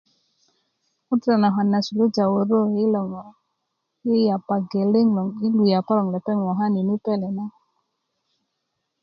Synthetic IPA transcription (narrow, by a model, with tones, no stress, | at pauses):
u˦tsa˨na˨ɦa˨na˨su˨lo˦d͡ʒa˨wo˨ɾo˦i˦lɔ˨ŋ˨ | i˦ja˨pa˨ɡe˨le˦ŋlɔ˨ŋi˦lu˨ja˨pa˦lɔ˨ŋlɛ˨pɛ˦ŋwɔ˨ɦa˦ni˨ni˦pɛ˦˨lɛ˨na˦